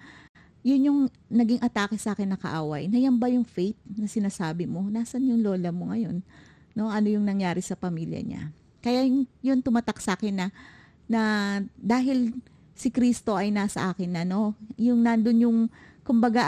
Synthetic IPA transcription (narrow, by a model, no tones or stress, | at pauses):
jʊnjʊŋ | nɐɡɪŋʔɐt̪aːkɪsɐʔaːkɪnːɐkɐʔaːwɐ̰jnɐjɐnbɐjʊŋfɛjt̪̚nɐsɪnaːsaːbɪmo̞naːsɐnjʊŋlo̞ːlɐmoŋɐjo̞nː | o̞ʔɐno̞jʊŋnɐŋjaːɾɪsɐpɐmiːljɐ̰ɲa̰ | kɐjaŋjʊnt̪ʊmat̪ɐksaːkɪnːɐ | nɐd̪aːɦɪl | sɪkɾiːst̪o̞ʔɐjnaːsɐ̰ʔaːkɪnːɐno̞jʊŋnand̪onjʊŋ | kʊmbɐɡa